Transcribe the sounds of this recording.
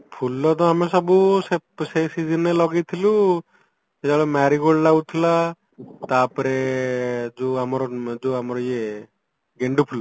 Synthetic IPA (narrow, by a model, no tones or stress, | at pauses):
pʰulːɔd̪ɔ̃amɛsɔbusepsesid͡ʒinɛlɔɡɛt̪ʰilu | ɛd͡ʒaɭɔmaɾiɡɔɽlaɡut̪ʰila | t̪apɔɾɛ | d͡ʒuamɔɾɔd͡ʒuamɔɾje | ɡeɳɖupʰulːa